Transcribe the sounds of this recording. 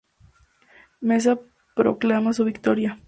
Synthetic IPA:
mes̬a | pɾo̰klamasuβikt̪oɾja

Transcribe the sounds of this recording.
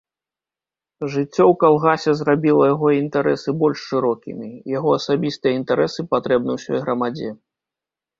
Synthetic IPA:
ʐɨt͡sʲːɔwkalˠɣasʲɛzrabʲilˠɐjaɣɔint̪aɾɛsɨbɔlʲʂːɨɾɔkʲḭmʲijaɣɔɐsabʲist̪ɨjɛint̪aɾɛsɨpat̪ɾɛb̚nɨwsʲɔ̰jɣɾɐmad͡zʲɛ

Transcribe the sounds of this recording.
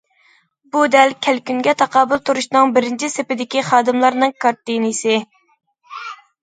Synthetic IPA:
bud̪ɛlkʲʰælkʲyŋɡʲɛt̪ʰɑqʰɑːbʊlˠt̪ʰuɾuʃnɨŋbɪɾɪnt͡ʃʰisepɪd̪ɪkʲiχɑːd̪ɨmlˠɑɾnɨŋkʰɑɾt̪inisɪ

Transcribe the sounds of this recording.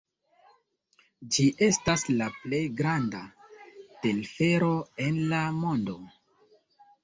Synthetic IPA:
d͡ʒiʔe̞staslaple̞jɡɾanda | te̞lfe̞ɾo̞e̞nlamo̞ndo

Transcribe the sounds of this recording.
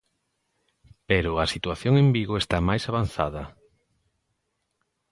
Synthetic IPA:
peɾʊasit̪waθjoŋembiɣoest̪amajsaβan̟θa̰ðɐ

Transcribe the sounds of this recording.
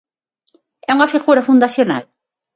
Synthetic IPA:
ɛuŋɐfiɣuɾɐfund̪asjona̰l

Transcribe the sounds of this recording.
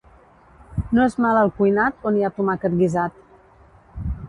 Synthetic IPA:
noezmaləlˠkujnat̪oniat̪umakət̪̚ɡizat̪̚

